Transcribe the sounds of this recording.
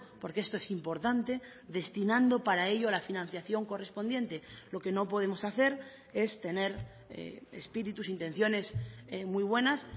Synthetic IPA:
po̞ɾkeest̪o̞e̞simpo̞ɾt̪ant̪e̞ðe̞st̪inãnd̪o̞paɾae̞ʎoalafinãn̟θjaθjo̞ŋko̞re̞spo̞nd̪je̞nt̪e̞lo̞ke̞no̞po̞ð̞e̞mo̞saθe̞ɾ | e̞st̪e̞ne̞ɾ | ḛḛspiɾit̪usint̪e̞n̟θjo̞ne̞semwuijβ̞we̞nas

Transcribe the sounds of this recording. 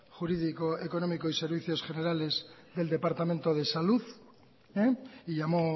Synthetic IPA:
xuɾiðikoekonomikoiseɾβiθjosxeneɾale̞zðe̞ld̪e̞paɾt̪amẽnt̪oð̞e̞saluð | eiʎamo

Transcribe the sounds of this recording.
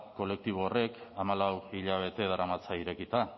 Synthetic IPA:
ko̞le̞k̚t̪iβoore̞kamalawiʎaβ̞e̞t̪e̞ð̞aɾamat͡saiɾe̞kit̪a

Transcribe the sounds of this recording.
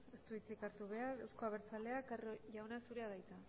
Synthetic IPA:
est̪uit͡sikaɾt̪uβe̞aɾe̞wsko̞aβe̞ɾt͡sale̞akarʝawnasuɾe̞að̞ajt̪a

